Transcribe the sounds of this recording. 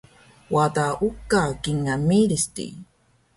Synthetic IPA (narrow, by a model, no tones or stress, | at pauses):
wat̪aʔukːakiŋːamiɾistḭ